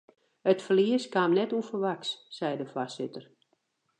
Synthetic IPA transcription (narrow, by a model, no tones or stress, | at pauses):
ətfəliəskaːmnɛtufərʋaksːɛjdəfasɪtər